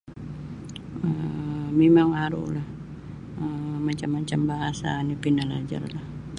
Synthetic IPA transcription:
əmemaŋaɾṵlah | əmaɲt͡ʃamːat͡ʃambaɦasa̰nipinala̰d͡ʒa̰rlah

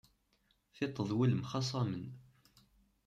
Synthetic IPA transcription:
θɪt̪ˤːəðˤwiləmχɑsˤɑmən

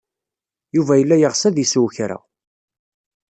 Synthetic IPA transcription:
juvæjəlːæjəʁsæðiswçɾa̰

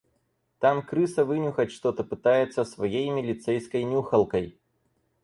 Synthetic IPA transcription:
t̪amkɾɨsəvɨnʲʊxətʲʂt̪ot̪əpɨt̪ajɪt̪səsvɐjejmʲɪlʲɪt̪sɛjskəjnʲuxəlˠkəj

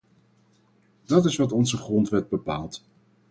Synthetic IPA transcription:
d̥ɑtɪsʋɑtɔnzəχrɔntʋɛd̚bəpaːlˠt

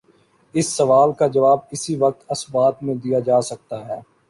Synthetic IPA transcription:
ɪsːɐʋaːlkad͡ʒɐʋaːb̚ɪsiʋɐk̚t̪ɐsbaːt̪mẽd̪ijad͡ʒaːsɐk̚t̪aɦɛː

